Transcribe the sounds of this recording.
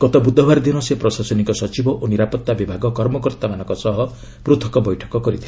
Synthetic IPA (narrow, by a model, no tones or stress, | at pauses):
ɡɔt̪ɔbud̪ʱɔbaɾd̪inɔsepɾɔsasɔnikɔsɔt͡ʃibɔʔoniɾapɔt̪ːabibʱaɡɔkɔɾmɔkɔɾt̪amanɔ̃ŋkɔsɔɦɔ | pɾut̪ʰɔ̥kɔbɔjʈʰɔ̥kɔkɔɾit̪ʰi